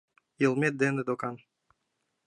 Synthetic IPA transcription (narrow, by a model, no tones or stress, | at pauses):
jə̆lˠmet̪̚d̪ened̪okɑn